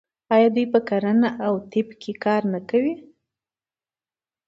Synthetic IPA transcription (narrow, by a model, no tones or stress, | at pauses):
ɑjɑd̪ujpəkaɾənaʔawt̪ɪpkʰekɑɾnakawi